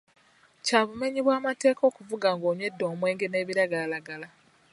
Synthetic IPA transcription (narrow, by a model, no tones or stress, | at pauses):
caːβume̞ɲiβwaːmate̞ːkʰo̞ːkuvuɡaŋɡoːɲwe̞dːo̞ːmwe̞ːŋɡene̞ːβiɾaɡalaɡala